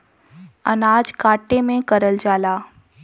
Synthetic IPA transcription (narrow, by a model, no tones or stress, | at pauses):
ɐnaːd͡ʒkaːʈemẽkɐɾəld͡ʒaːlaː